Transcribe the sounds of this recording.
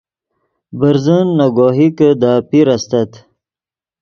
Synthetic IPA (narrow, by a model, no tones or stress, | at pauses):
bəɾzənːoɡoɦikəd̪aːpiɾast̪at̪